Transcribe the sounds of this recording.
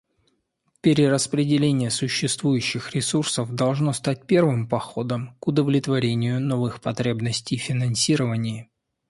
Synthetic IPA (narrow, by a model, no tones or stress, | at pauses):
pʲɪɾʲɪɾəspɾʲɪdʲɪlʲenʲɪjəsʊɕːɪst̪vujʉɕːɪxɾʲɪsursəfd̪ɐlˠʐno̞st̪at̚ʲpʲe̞rvɨmpɐxo̞d̪əmkʊd̪əvlʲɪt̪vɐɾʲenʲɪjʊno̞vɨxpɐt̪ɾʲe̞bnəsʲtʲɪjfʲɪnɐnsʲiɾəvənʲɪj